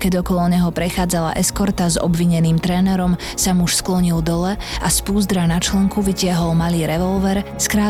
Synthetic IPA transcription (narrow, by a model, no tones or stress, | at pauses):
kɛɟɔkɔlɔɲɛɦɔpɾɛxaːd͡zala̰ʔɛskɔɾt̪azɔ̰bʋiɲɛniːmt̪ɾɛːnɛɾɔm | samuʃsklɔɲild̪ɔlɛaspuːzd̪ɾanat͡ʃlɛŋkuʋicɪaɦɔlmaliːɾɛʋɔlʋɛɾskɾaː